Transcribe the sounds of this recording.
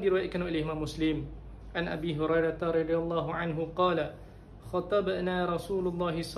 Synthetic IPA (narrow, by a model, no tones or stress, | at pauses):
d̪iɾiwajat̪̚kanwʔilɪmaːmːʊslɪm | ʕanʔa̰biːɦʊɾajɾˤɑt̪aɾˤɑd̪ˤialˤːɑːɦʊʕanɦʊqɑːla | xɑt̪ˤɑbnaːɾˤɑsuːlʊlˤːɑːɦɪsˤ